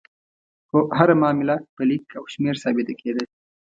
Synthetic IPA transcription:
xoɦaɾamɑːmɪlapəlikʰawʃmeɾsɑːbɪt̪akʰed̪e

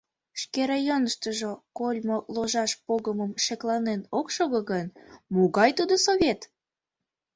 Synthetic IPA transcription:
ʃkeɾɑjonəʃt̪əʒokolʲmoloʒɑʃpoɣəməmʃeklɑnenokʃoɣəɣənmuɣɑjt̪ud̪osoβʲet̪

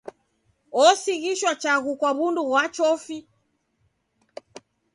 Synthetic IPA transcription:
ɔsiɣiʃwat͡ʃaɣukwaβunduɣwat͡ʃɔfi

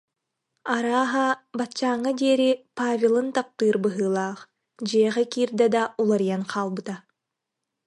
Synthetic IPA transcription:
aɾaːɦabatt͡ɕːaːŋːad̪iɛɾipaːvʲelˠɯnt̪ap̚t̪ɯːɾbɯɦɯːlˠaːχ | d͡ʑiɛʁɛkiːɾd̪ɛd̪aulˠaɾijanqʰaːlˠbɯt̪a

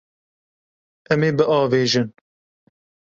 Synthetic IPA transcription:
ɛmeːbɨʔɑːveːʒɨn

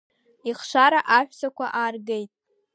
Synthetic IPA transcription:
iχʂʷaɾaʔaħʷᶣsakʷʰaʔaːrɡejtʼ

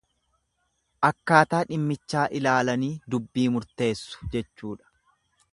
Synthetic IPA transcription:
ʔɐkːaːt̪aːᶑɪmːɪt͡ʃːaːʔɪlaːlɐniːd̪ʊbːiːmʊɾt̪e̞ːsːʊ̥d͡ʒɛt͡ʃːuːᶑɐ̥

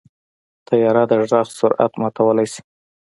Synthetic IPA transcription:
t̪ʰajɑɾad̪əʒɖɑxsʊɾʔa̰t̪mɑt̪awəlajsi̥

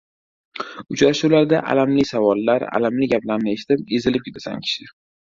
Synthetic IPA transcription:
ʊt͡ʃɾaʃulaɾd̪aʔa̰lamlɪsavɒlːaɾa̰lamlɪɡʲaplaɾnɪeʃɪt̪ɪpe̞zɪlɪp̚jɪt̪ʰḁsa̰ŋkʲʰɪ̥ʃɪ

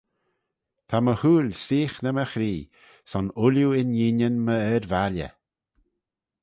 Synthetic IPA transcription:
t̪ʰaməhuːlʲsiːxnəməxɾiː | sɔnʊljuɪnjiːnənməɛɾvalʲə̰

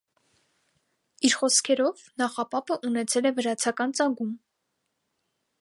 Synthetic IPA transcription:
iɾχɔskʰɛɾɔv | nɑχɑpɑpʰəʔunɛt͡sʰɛlɛvəɾɑt͡sʰɑkɑnt͡sɑŋɡum

